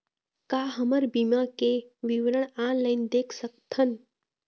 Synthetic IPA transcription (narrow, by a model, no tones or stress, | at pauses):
kaːɦəməɾbimakeʋiʋɾəɳ̃aːnlaɪnd̪eːkʰsək̚t̪ʰən